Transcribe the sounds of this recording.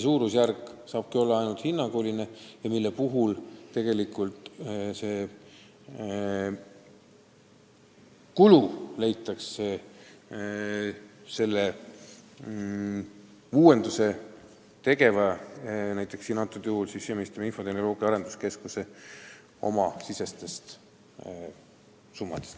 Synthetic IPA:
suːɾusjærkːˑsɑːb̥̚kio̞lːɑɑjnult̪hinːɑkoːline̞jɑmilːe̞puɦult̪e̞ɡ̥e̞likˑult̪se̞ː | kulule̞jt̪ːˑɑks | se̞lːe | uːwe̞nd̪use̞ | t̪e̞ɡe̞vɑnæjt̪ːˑe̞ksiːnɑt̪ːˑut̪juhulsisːemist̪ɑminfo̞t̪e̞hnolo̞ːɡ̥iɑɑɾe̞nd̪̥uske̞skuse̞ | o̞̰mɑsise̞st̪e̞st̪ | sumːɑd̪̥est̪

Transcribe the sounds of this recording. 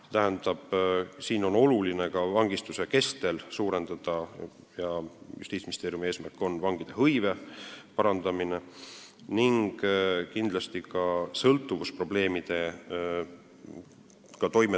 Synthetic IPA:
se̥t̪æɦend̪ɑb̥siːno̞no̞luline̞kɑvɑŋɡ̥ist̪use̞ke̞st̪e̞lsuːɾe̞nd̪̥ɑd̪̥ɑ | jɑjṵst̪iːt̪sminist̪e̞ːɾijumieːsmærkːˑo̞nːvɑŋɡ̥id̪̥e̞ɦɤjve̞pɑɾɑnd̪̥ɑmine̞niŋɡ̥kind̪lɑst̪ikɑsɤlt̪ːˑuvuspro̞b̥le̞ːmid̪̥e̞ | kɑt̪o̞jme

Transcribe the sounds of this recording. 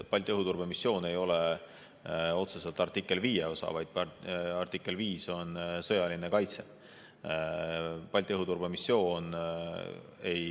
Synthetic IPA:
pɑlʲt̪ʲˑiɦut̪urb̥emisːjo̞ːne̞jo̞le | o̞t̪sese̞lt̪ˑɑrt̪ikːˑe̞lviːjeo̞sɑ̰vɑjd̪̥̚pɑɑrt̪ikːˑe̞lviːso̞nsɤjɑlinekɑjt̪se̞ | pɑlʲt̪iɤɦut̪urb̥emisːjo̞ːn | e̞j

